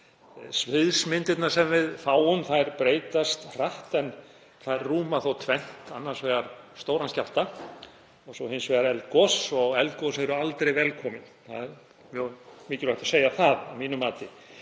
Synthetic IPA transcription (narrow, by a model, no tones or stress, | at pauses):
svɪðsmɪnt̪ɪt̪naɾ̥sɛmvɪðfaːwʏnθajɾpɾeːjt̪ast̪r̥aht̪ɛn | θaðɛɾːuːmaθowt̪ʰvɛn̥t̪anːaɾ̥svɛːɣaɾ̥st̪oːwɾanscal̥t̪a | ɔsɔhɪnsvɛɣaɾɛlt̪̚kɔsɔɣɛlt̪̚kɔsɛɾʏalt̪ɾejvɛlkʰɔːmɪnθa̰ðɛɾ | mjɛmɪːcɪlaht̪ḁseːjaθaðavmiːnʏmːaːt̪ɪ